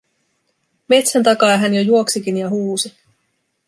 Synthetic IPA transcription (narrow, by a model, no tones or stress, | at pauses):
me̞t̪sænt̪ɑkɑjɦænjojuo̞ksikinjɑɦuːsi